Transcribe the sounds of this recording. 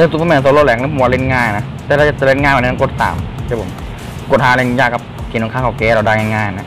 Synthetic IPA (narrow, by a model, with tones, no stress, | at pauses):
ʔɯ˧˩u˧˨pʰːm˧˩˨so˧˦lo˧˨lɛː˨˦ŋni˧˥pʰːa˧le˧˥˩nŋaː˧˩ja˨na˦˥ | t̪ɛː˧ɾa˧˩t͡ɕa˧˩t͡ɕa˧le˧˩nŋaː˧˩nma˨˩nː˧ma˧ko˧˩t̪̚sa̰ː˨˦mkʰaː˧˦˩pʰo̰˨˦m | ko˧˩t̪̚haː˧˦le˧˩n˧jaː˧˩kʰːa˧p̚t̪ʰiː˨˧˩noː˧˦ŋkʰa˧˥˩kʰːkeː˧ɾa˧˩daː˧ŋa˧nŋaː˧˩jna˧˥˩